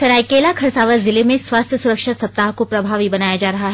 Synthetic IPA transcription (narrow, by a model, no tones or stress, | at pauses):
sɐɾaːikeːlakʰɐɾsaːʋəɾzɪlemẽswaːst̪ʰjəsʊɾəkʃət̪sɐp̚t̪aːɦkopɾɐbʱaːʋɦibɐnaːjad͡ʒaːɾɐɦaɦɛ